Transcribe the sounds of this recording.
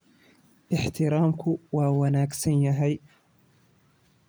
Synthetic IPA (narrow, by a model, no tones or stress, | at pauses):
ʔɪħt̪ɪɾɑːmkʊwawanaːksɪnjaɦaj